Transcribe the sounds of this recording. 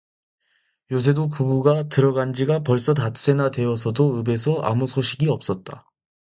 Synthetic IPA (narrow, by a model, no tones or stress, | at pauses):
jos̬ʰe̞dopubuɡatɯɾʌɡand͡ʑiɡapʌɭs͈ʌtas͈e̞nadwe̞ʌsʰʌdoɯbe̞sʰʌʔa̰musʰoɕʰiɡiʌp̚s͈ʌt̚t͈a